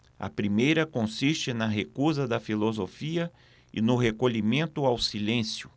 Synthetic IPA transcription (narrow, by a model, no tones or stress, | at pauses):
ɐ̰pɾimejɾɐkõsist͡ʃɪnɐɦekuzɐd̪ɐfilozofiɐ | ɪ̰nʊɦekoʎimẽnt̪ʊawsilẽsjʊ